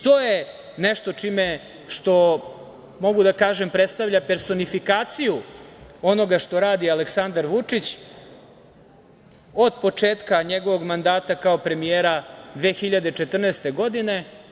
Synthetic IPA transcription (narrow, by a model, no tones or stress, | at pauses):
t̪o̞ːje | neʃt̪o̞t͡ʂime | ʃt̪o̞ | mo̞ɡud̪akaːʒempɾet̪st̪aʋʎape̞ɾso̞nifikaːt̪sijuo̞no̞ɡaʂt̪o̞ɾaːd̪iale̞ksand̪aɾʋut͡ʂit͡ɕ | o̞d̪po̞t͡ʂeːt̪kaɲeɡo̞ʋo̞ɡmand̪aːt̪akaopɾe̞mijeːɾad̪ʋeːxiʎad̪e̞t͡ʂe̞t̪r̩neːst̪e̞ɡo̞d̪ine̞